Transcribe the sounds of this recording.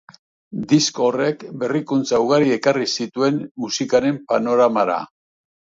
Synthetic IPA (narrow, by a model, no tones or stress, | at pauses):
d̪isko̞re̞kbe̞rikunt͡sawɣaɾie̞karisit̪ue̞nmusikaɾe̞mpano̞ɾamaɾa̰